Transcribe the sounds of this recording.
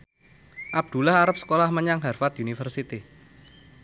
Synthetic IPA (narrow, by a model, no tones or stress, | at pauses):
ʔab̚d̪̥ṳlahaɾap̚sə̥kolahməɲaŋɦarfat̪̚iunifərsit̪i